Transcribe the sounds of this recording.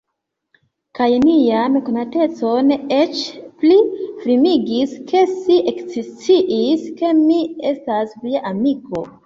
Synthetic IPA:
kajnijanko̞nate̞t͡so̞net͡ʃplifɾimiɡiskʰe̞siʔekzist͡siʔiske̞mie̞stasviaʔamiko̞̰

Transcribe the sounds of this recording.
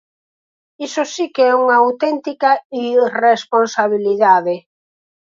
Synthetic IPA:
isʊsikeɛuŋɐawt̪ɛnt̪ikɐiresponsaβiliðaðe

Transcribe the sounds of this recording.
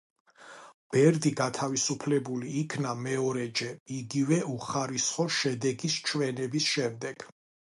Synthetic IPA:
b̥ɛɾd̪iɡat̪ʰavisupʰlɛbuliːkʰnamɛɔɾɛd͡ʒɛiɡivɛuχaɾisχɔʃɛd̪ɛɡist͡ʃʰwɛnɛbisʃɛmd̪ɛɡ̥

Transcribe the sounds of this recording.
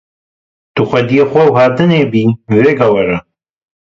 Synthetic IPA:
t̪uxʷɛd̪ijexʷɛwɦaːd̪ɨneːbiːveːɡawɐɾɐ

